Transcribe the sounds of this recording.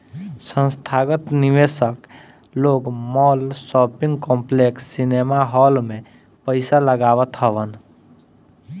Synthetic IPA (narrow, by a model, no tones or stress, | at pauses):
sə̃nst̪ʰaːɡət̪nɪʋeːsək | loːɡmɔːlsɔːpɪ̃ŋɡkɔ̃ːmpleksːinemaɦɔːlmẽ | pəɪsaləɡaːʋət̪ɦəʋən